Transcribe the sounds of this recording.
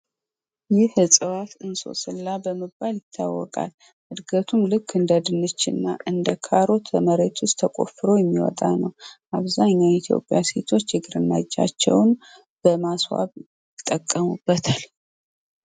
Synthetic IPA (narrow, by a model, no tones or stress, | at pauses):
jɪhɨsʼɨwat̪ɨnso̞̰sɨlːabəmɨbaljɪt̪ʰːa̰wːɔ̰kʼa̰l | hɨd̪ɡət̪ʰumlɨkʰːɨnd̪əd̪ɨnːɨt͡ʃːɪ̰nːa̰ʔɨnd̪əkʰaɾo̞t̪ʰəməɾet̪ʰwʊst̪ʰːəkʼo̞̰fɨɾo̞jɛmːiwɔ̰t̪ʼanəwʔaβzaɲːait̪ʰjo̞̰pʼjaset̪ʰo̞t͡ʃːjɛɡɨɾɨnːad͡ʒːa̰t͡ʃːɛ̰wn | b̥əmaswa̰β | jɪt̪ʼːəkʼːəmub̥ːət̪ʰal